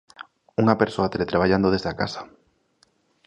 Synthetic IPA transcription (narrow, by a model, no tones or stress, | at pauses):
uŋapeɾsoat̪eɾet̪ɾaβ̞ajand̪oð̞ezðakasḁ